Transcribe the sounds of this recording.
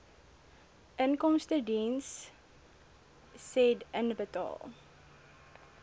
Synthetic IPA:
ʔənkɔmstədins | ɛdənbətɑ̰ːlˠ

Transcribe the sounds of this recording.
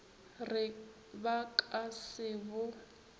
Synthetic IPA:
rɪ | bakʼasɪːβʊ

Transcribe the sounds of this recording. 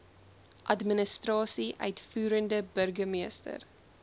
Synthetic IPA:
ʔɐdmənəstrɑːsiʔœɥtfuːɾəndəbərɡəmiəstə̰r

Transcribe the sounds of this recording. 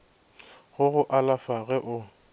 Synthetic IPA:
ɣʊɣʊʔalafaɣɛʔʊ

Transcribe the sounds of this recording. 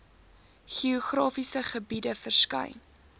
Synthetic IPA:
χiɔχrɑːfisəχəbidəfərskɐ̰jn

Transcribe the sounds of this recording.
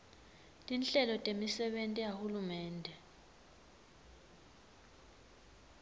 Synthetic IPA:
tʼinɬɛlɔtʼemisɛɓentʼiɛjahulumɛːndʱɛ

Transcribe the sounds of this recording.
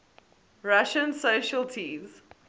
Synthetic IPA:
ɹaʃə̃nsoʃəltʰĩːmz̥

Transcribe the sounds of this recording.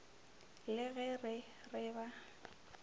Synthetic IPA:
lɪɣɛrɪ | rɪba

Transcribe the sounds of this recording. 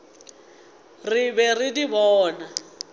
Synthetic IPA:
rɪbɛridibɔːna

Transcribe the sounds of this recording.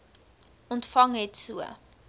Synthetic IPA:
ɔntfɐŋɦɛtsuə̰

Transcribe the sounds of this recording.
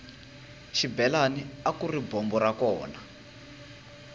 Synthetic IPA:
ʃibɛlaniakuribɔmbɔɾakɔːna

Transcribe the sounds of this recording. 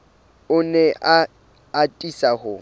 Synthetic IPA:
ʊnɛa | atʼisahʊ

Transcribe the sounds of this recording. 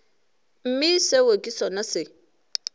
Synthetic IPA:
m̩misewaɡisɔnase

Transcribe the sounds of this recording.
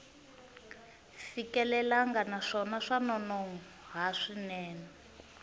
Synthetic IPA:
fikɛlɛlaŋɡanaʂɔnaʂanɔnɔŋuɦaʂinɛːnɛ

